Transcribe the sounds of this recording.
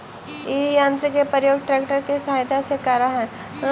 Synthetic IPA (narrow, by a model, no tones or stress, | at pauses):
ijãːnt̪ɾəkepəɾjoːɡʈɾɛːkʈəɾkesɐɦaːjt̪asekɐɾaɦɛ̃